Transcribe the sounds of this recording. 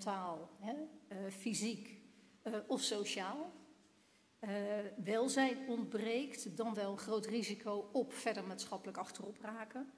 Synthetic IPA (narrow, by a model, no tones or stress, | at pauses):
taːlˠɦɛfizik | ɔfsowʃaːlˠ | ʋɛlˠzɛjɔndbrejktdɑnʋɛlˠəχrowtrizikʰowɔpfɛɹdəɹmaːtsχɑpələkɑχtərɔpraːkə